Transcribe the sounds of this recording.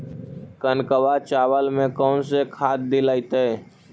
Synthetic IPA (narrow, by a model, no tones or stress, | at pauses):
kənkəʋat͡ʃaːwəlmẽkɔːnsekʰaːt̪̚d̪ilaːit̪e